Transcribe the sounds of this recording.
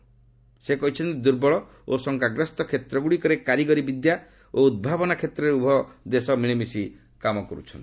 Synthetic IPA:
sekɔɦit͡ʃʰɔnt̪id̪uɾbɔɭɔ | osɔŋkaɡɾɔst̪ɔkʰet̪ɾɔɡuɽikɔɾekaɾiɡɔɾibid̪ja | oud̪̚bʱabɔnakʰet̪ɾɔɾeubʱɔd̪esɔmiɭ̃imisi | kamɔkɔɾṵt͡ʃʰɔnt̪i̥

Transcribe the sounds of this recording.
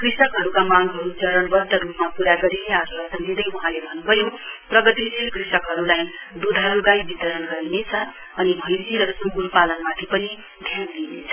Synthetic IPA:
krisʌkɦʌɾukamaŋɡɦʌɾut͡sʌɾʌnbʌrd̪ʌɾupmapuɾaɡʌɾineasʌsʌŋd͡zid̪ʌjuɦãlebʱʌnːubʱʌjoprʌɡʌt̪isikrisʌkɦʌɾulajd̪ud̪ʱɦʌɾuɡajbit̪ʌɾʌnɡʌɾinet͡sʰʌ | ʌnibʱʌjd͡ziɾʌsumɡulpalʌnmat̪ʰipʌni | d̪ʱjanlinet͡sʰʌ̥

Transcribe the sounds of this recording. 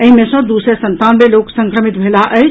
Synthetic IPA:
əɦimesə̃d̪usesənt̪anmeloksə̃ŋkɾəmit̪̚bʱelaʔə

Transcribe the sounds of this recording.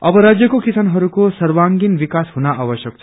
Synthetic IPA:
ʌbʌɾad͡zjʌkokisanɦʌɾukosʌɾwaŋɡinbikasɦunaʔabʌsjʌk̚t͡sʰʌ̥

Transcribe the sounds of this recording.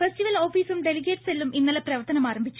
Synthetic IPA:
fesʈiʋɐlo̞ːfiːsumɖe̞liɡeːʈselːuminːɐlɐprɐʋɐrt̪ɐnɐmaːɾɐmbʱit͡ɕːu̥

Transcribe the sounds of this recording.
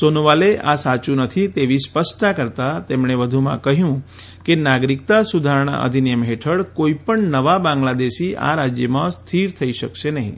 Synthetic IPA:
sonʋaleʔasat͡ʃunət̪ʰit̪eʋispəsʈ̪akəɾt̪at̪emɳ̃eʋəd̪ʱumã̰kəɦjũ | kenaɡɾik̚t̪asud̪ʱaɾɳ̃a̰ʔə̰d̪ʱinijəmɦeʈʰəɭkoipəɳnəʋabãŋɡlad̪eʃia̰ɾad͡ʒjəmãst̪ʰiɾt̪ʰəiʃəkʃenəɦḭ̃

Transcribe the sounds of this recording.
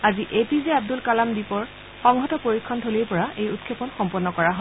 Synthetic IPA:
aziʔepizeab̚dulkalamdipɔɹ | xɔŋɦɔtɔpoɹikʰːɔntʰolejpɔɹaʔejut̚kʰːepɔnxɔmpɔnːɔkɔɹaɦɔ

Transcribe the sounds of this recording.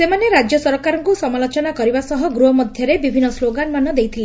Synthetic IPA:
semaneɾad͡ʒjɔsɔɾkaɾɔŋkusɔmalot͡ʃɔnakɔɾibasɔɦɔɡɾuɦɔmɔd̪ʱjɔɾebibʱinːɔsloɡanmanɔd̪ejt̪ʰile

